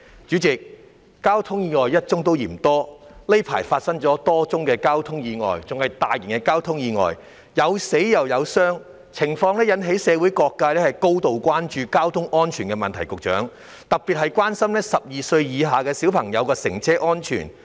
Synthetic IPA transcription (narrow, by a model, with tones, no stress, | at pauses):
t͡ʃyː˨˥t͡sɪ˨k̚ː | aː˥wt̪ʰʊ˥ŋjiː˨˧ŋɔː˨jjɐ˥t̚t͡sʊ˥ŋt̪o˥wjḭː˨˩m˩t̪ɔː˥le˥jpʰa̰ː˨˩jfaː˧t̚sɐ˥ŋt͡sɔː˨˥t̪ɔː˥t͡sʊ˥ŋkɛː˧kaː˥wt̪ʰʊ˥ŋjiː˨˧ŋɔ̰ː˨jt͡sʊ˨ŋhɐ˨jt̪aː˨jɪ˨˩ŋkɛ˧kaː˥wt̪ʰʊ˥ŋjiː˨˧ŋɔ̰ː˨j | jɐ˨˧wse˨˥jjɐ˨wjɐ˨˧wsœː˥ŋ | t͡sʰɪ˨˩ŋfɔː˧ŋnɛː˥jɐ˨˥nɦe˨˥jsɛː˨˧wu˨˥jkɔː˧kːaː˧lɛː˥hɐ˨jko˥wt̪o˨wkʷwaː˥nt͡ʃyː˧kaː˥wt̪ʰʊ˥ŋʔɔː˥nt͡ʃʰyː˨˩nkɛ˧mɐ˨nt̪ʰɐ˨˩jkʊ˨k̚t͡ʃœ̰ː˨˥ŋ | t̪ɐ˨k̚piː˨t̚ɦɐ˨jkʷaː˥nsɐ˥mlɛː˥sɐ˨p̚jiː˨sɵ˧ɥjiː˨˧ɦaː˨kɛː˧si˨˥wpʰɐ˨˩ŋjɐ˨˧wkɛː˧sɪ̰˨˩ŋt͡sʰɛː˥ʔɔː˥nt͡ʃʰy̰ː˨˩n